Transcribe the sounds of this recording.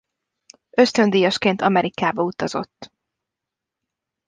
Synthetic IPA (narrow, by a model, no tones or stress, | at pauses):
ø̞st̪ø̞nd̪ijɒʃkeːnt̪ɒmɛɾikaːbɒut̪ɒzo̞̰t̪ː